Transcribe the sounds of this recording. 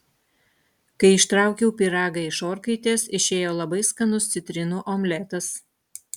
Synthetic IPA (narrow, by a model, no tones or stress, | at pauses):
kɐɪɪʃt̪ɾɑˑʊkʲɛʊpʲiɾɑːɡɐɪʃoːɾkɐɪt̪ʲeːsɪʃʲeːjoːlˠɐbɐɪskɐnʊst̪sʲɪt̪ʲɾʲɪnuːʔɔmʲlʲɛt̪ɐs